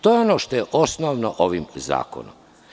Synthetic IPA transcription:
t̪ojeonoʃt̪o̞jeʔo̞snoʋnoʔoʋimza̰ːko̰no̰m

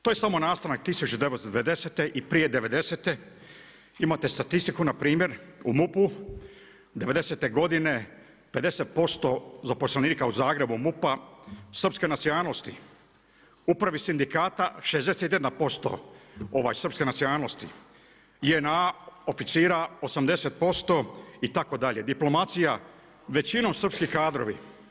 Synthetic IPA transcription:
t̪ojesamo̞naːst̪anak̚t̪isut͡ɕud̪eʋet̪od̪eʋed̪e̞seːt̪e̞ʔipɾije̞d̪e̞ʋe̞d̪e̞set̪e̞ | imat̪e̞st̪at̪ist̪ikunapɾiːmje̞ɾumupu | d̪eʋe̞d̪e̞se̞ːt̪e̞ɡo̞d̪ine̞ | ped̪e̞set̪̚po̞st̪o̞zapo̞slˠaniːkauzaːɡɾe̞bumupasr̩pskenat̪sinalost̪i | upɾaʋisind̪ikaːt̪aʃezd̪eset̪je̞d̪anpo̞st̪o̞̰o̞ʋa̰jsr̩pske̞nat̪sionaːlːo̞st̪ḭ | jeenao̞fit̪siːɾaosamd̪e̞se̞t̪̚po̞st̪o̞it̪ako̞d̪aʎe̞d̪iplo̞mat̪sija | ʋe̞t͡ɕino̞msr̩pskikaːd̪ɾo̞̰ʋi

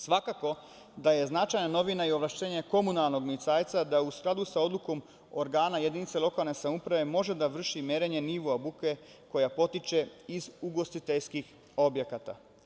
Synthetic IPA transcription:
sʋakako̞ | d̪aje̞znat͡ʃajnano̞ʋinaio̞ʋlaʃt̪e̞ːɲe̞ko̞munalˠno̞ɡmiit̪saːjt̪sad̪ausklˠad̪usao̞d̪lˠuko̞m | oɾɡaːnaje̞d̪init̪se̞lˠo̞kalˠne̞samupɾaʋe̞mo̞ʒe̞d̪aʋr̩ʃimjeɾe̞ɲe̞niʋuabuke̞ | ko̞japo̞t̪it͡ʃe̞izuɡo̞st̪it̪eʎskix | o̞bje̞kat̪a̰

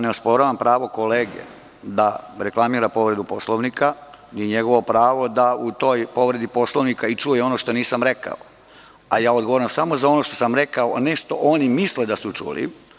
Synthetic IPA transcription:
neuspo̞ɾaʋampɾaːʋo̞ko̞leːɡḛ | d̪aɾeklˠamiːɾapo̞ʋɾe̞d̪upo̞sloʋnikaniɲeɡo̞ʋo̞pɾaːʋo̞d̪aut̪o̞jpo̞ʋɾed̪ipo̞sloʋnikait͡ʃujeo̞noʃt̪o̞niːsamɾe̞ka̰o | ajaːod̪ɡoʋoɾamsamozao̞no̞ʃt̪o̞samɾekaone̞ʃt̪o̞ʔonimisled̪asut͡ʃṵːlḭ

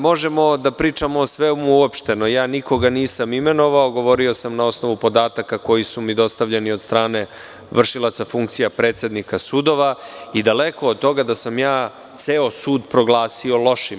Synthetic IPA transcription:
mo̞ʒemo̞d̪apɾiːt͡ʃamoːsʋemuuopʃt̪e̞no̞jaːniko̞ɡaniːsamime̞noʋaoɡo̞ʋo̞ɾio̞samnao̞sno̞ʋupo̞d̪aːt̪akako̞jisumid̪o̞st̪aʋʎenio̞d̪st̪ɾaːne̞ | ʋr̩ʃilˠat̪safuŋkt̪sijapɾet̪se̞d̪nikasuːd̪o̞ʋaid̪ale̞ko̞ːd̪̚t̪o̞ɡad̪asamjaː | t̪seo̞suːd̪pɾo̞ɡlˠaːsio̞lo̞ʃi

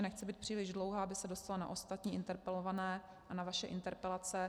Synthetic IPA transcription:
nɛxt͡sɛbiːt̪̚pr̥iːlɪʒdlo̞wɦaːabɪsɛdo̞st̪alana̰ʔost̪at̪ɲiːʔɪnt̪ɛɾpɛlo̞vanɛː | ʔanavaʃɛʔɪnt̪ɛɾpɛlat͡sɛ

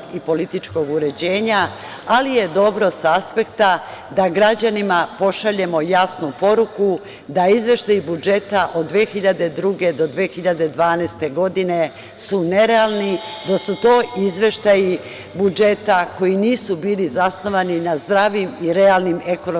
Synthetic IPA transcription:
ipo̞lit̪it͡ʃko̞ɡuɾe̞d͡ʑe̞ːɲa | alije̞d̪o̞bɾo̞saaspe̞kt̪a | d̪aɡɾad͡ʑanimapo̞ʃaʎe̞mo̞jasnupo̞ɾuku | d̪aizʋe̞ʃt̪ajibud͡ʒe̞t̪aʔo̞d̪ːʋeːxiʎad̪e̞d̪ɾuːɡe̞d̪o̞d̪ʋeːxiʎad̪e̞d̪ʋaːnɛst̪e̞ɡo̞d̪ine̞ | sune̞ɾealˠnid̪asut̪o̞ːʔizʋe̞ʃt̪aji | bud͡ʒe̞t̪ako̞jiniːsubiːlizasno̞ʋaninazd̪ɾaʋimiɾealˠnimekono

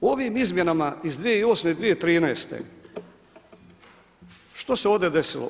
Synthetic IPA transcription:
oʋimizmje̞namaizd̪ʋijeio̞ːsmeid̪ʋije̞t̪ɾiːnɛːst̪ḛ | ʃt̪oseo̞ːvd̪ed̪e̞sḭlo̰

